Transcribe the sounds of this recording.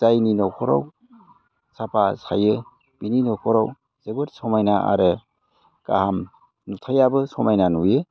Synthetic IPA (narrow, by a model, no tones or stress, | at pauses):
zajninɔkʰɔɾa̰w | sapʰasʰajɯ | b̥ininɔkʰɔɾaw | z̥ebɯɾsɔmajnaʔa̰ɾe | ɡ̥a̰ham | nutʰajabɯsɔmajnanujɯ